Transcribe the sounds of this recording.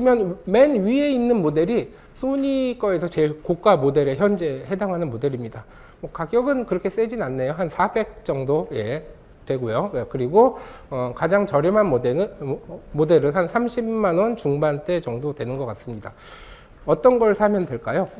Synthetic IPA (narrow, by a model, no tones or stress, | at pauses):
imjʌnme̞nɥie̞inːɯnmode̞ɾi | sʰoɲik͈ʌe̞sʰʌt͡ɕe̞ɭkok͈̚amode̞ɾeçjʌnd͡ʑe̞he̞daŋɦanɯnmode̞ɾimɲida | mwʌkaɡjʌɡɯnkɯɾʌkʰes͈e̞d͡ʑinanːe̞joɦansʰabe̞k̚t͡ɕ͈ʌŋdoje̞ | twe̞ɡojoekɯɾiɡoʌkad͡ʑaŋt͡ɕʌɾjʌmanmod | mode̞ɾɯnɦansʰamɕʰimanwʌnt͡ɕuŋbant͈e̞t͡ɕʌŋdodwe̞nɯnɡʌk͈ats͈ɯmɲida | ʌt͈ʌnɡʌɭsʰamjʌndwe̞ɭk͈ajo